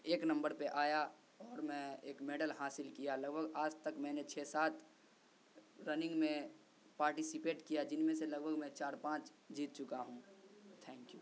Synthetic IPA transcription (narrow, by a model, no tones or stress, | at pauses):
eːknɐ̃mbəɾpeʔaːja | ɔːɾmɛ̃eːkmeːɖəlɦaːsɪlkijalɐɡbʱəɡaːd͡ʒt̪əkmɛ̃ːnet͡ʃʰeːsaːt̪ʰ | ɾənɪ̃ŋɡmẽ | paːɾʈisipeːʈkijad͡ʒɪnmẽselɐɡbʱəɡmɛ̃t͡ʃaːɾpãːt͡ʃ | d͡ʒiːt̪̚t͡ʃʊkaɦũt̪ʰɛ̃ːŋkjuː